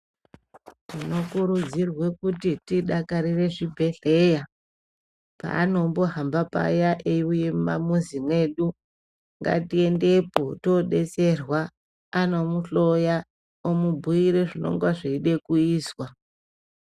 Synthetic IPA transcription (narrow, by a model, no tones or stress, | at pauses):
tino̞kuɾud͡zirwekutitiɗakaɾire̞ʐibʱe̞ɬe̞ja | pa̰ːno̞mboɦambapa̰jaʔejuje̞mamuzimwe̞ɗu | ŋɡa̰tie̞nde̞potoɗe̞t͡se̞rwa | ano̞muɬo̞ja | omubʱuiɾe̞ʐino̞̰ŋɡwaʐeiɗe̞kuiːswa